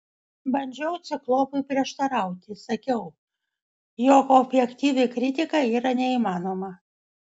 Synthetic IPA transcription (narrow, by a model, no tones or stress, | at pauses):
bɐnʲd͡ʒʲɛʊt̪sʲɪklˠoːpʊɪpʲɾʲiɛʃt̪ɐɾɑˑʊt̪ʲɪsɐkʲɛʊ | joːkoːbʲjɛkt̪ʲiːʋʲɪkɾʲɪt̪ʲɪkɐiːɾɐnʲɛiːmɑːnoːmɐ